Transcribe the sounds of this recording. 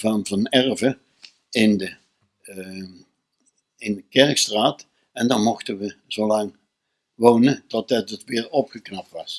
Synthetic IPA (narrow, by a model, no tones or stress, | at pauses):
vɑnvɑnɛrvə | ɪndə | ɪndəkɛɹkstraːt | ɛndɑnmɔχtənʋəz̥owlɑŋ | ʋownətɔt̚dətətʋɪːɹɔpχəknɑp̚tʋɑs